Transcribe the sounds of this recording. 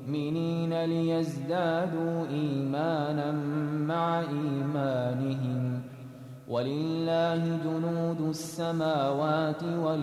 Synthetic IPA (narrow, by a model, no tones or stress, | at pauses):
ʔmɪniːnalɪjazd̪aːd̪uːʔiːmaːnanːaʕaʔiːmaːnɪɦɪm | wʔalɪlːaːhɪd͡ʒʊnuːd̪ʊsːamaːwaːt̪ɪwa